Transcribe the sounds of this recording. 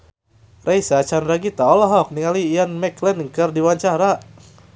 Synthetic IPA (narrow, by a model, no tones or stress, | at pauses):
rʔajsat͡ʃandɾaɡit̪aɔlaɦɔk̚niŋaliːjanmɛklɛnŋkərdiwaɲt͡ʃaɾa